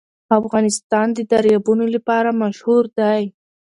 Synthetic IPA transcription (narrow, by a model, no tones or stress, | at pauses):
afɣɑnɪst̪ɑnd̪əd̪aɾjɑbunolapɑɾamaʃhuɾd̪aj